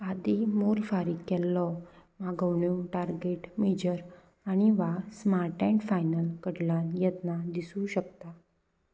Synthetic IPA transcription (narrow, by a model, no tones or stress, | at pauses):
ad̪imolfaɾikːɛlːɔmaɡəʋɳjũʈaɾɡeʈmed͡ʑəɾ | aɽ̃iʋasmaɾʈɛ̃ɳɖfajnəlkəɽlanjɛt̪nad̪isũɕək̚t̪a